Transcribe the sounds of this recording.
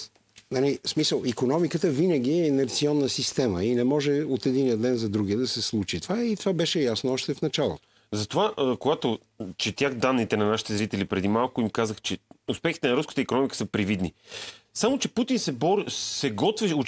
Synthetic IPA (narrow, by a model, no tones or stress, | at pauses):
nɐnismisəlˠikonɔmikət̪əvinəɡ̟ʲiɛːnɛɾt̪siɔnːəsist̪ɛməinɛmɔʒɛot̪ɛd̪inijəd̪d̪ɛnzɐd̪ɾuɡiəd̪ɐsɛslˠut͡ʃit̪ovait̪ovabɛʃɛjasnoɔʃt̪ɛfnɐt͡ʃalˠo̰t̪o̥ | zɐt̪ovaʔkoɡat̪o | t͡ʃɛt̪ʲjaxd̪anːit̪ɛnɐnaʃi̥t̪ɛzɾit̪ɛlipɾɛd̪imalˠkʊimkazəxt͡ʃɛʊspɛxi̥t̪ɛnɐɾuskə̥t̪əikonɔmikə̥səpɾivid̪nisamot͡ʃɛput̪insɛbɔɾsɛɡɔt̪vɛo